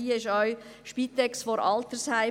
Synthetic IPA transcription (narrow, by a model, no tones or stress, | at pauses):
iːɪʃœʏʃpiːt̪ɛksfɔɾɑlt̪əɾshaɪ